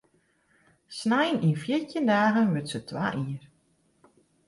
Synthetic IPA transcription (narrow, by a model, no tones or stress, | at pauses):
snajənʔinfjitəndaːɣənʋøtsətʰwa̰ːʔiːər